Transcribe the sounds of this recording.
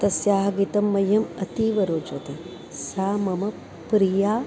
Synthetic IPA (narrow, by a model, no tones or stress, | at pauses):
t̪ɐsjaːɦɐɡit̪ɐmːɐjːɐmɐt̪iːʋɐɾoːt͡ʃɐt̪e | saːmɐmɐ | pɾijaː